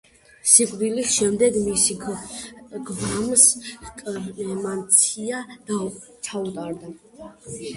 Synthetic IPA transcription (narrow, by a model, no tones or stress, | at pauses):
sikʼd̪iliʃɛmd̪ɛɡmisi | ɡvamskʼɛmant̪sʰia | t͡ʃʰaut̪ʼaɾd̪a